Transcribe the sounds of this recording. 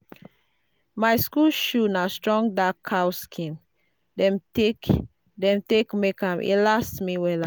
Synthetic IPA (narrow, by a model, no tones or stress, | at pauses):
majskulʃunastɹɔ̃ŋdakʰhawskʰĩm | dɛ̃mtek | dɛ̃mtekmekãmʔḭlastmiwɛla